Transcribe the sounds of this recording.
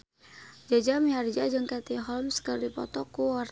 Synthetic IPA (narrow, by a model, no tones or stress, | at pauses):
d͡ʒad͡ʒamiard͡ʒad͡ʒəŋkat̪iɦɔlmsə̥kaldipɔ̰t̪ɔkuwar